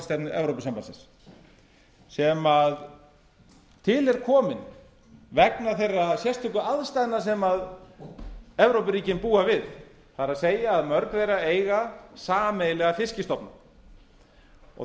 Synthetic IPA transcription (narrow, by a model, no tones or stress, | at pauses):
st̪ajpnʏʔɛvɾowpʏsampansɪ̰ns | sɛmað | t̪ʰɪlɛɾ̥kʰɔːmɪn | vɛknaθejrːasjɛst̪ʰʏkʏaðst̪ajðnasɛmað | ɛvɾowpɪɾiːcɪnpuːavɪð | θaɾaðseːjaːðmœɾkvɛjɾaeːjɣasaːmeːjlɛɣafɪscɪst̪ɔpna | ɔ̰